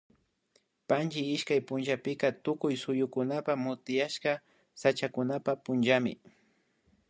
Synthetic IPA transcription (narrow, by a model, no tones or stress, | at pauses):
pant͡ʃɪɪʃkajpʊnʒapɪkat̪ʊkʊjsʊjʊkʊnapamʊt̪ɪjaʃka | sat͡ʃakʊnapapʊnʒamɪ̰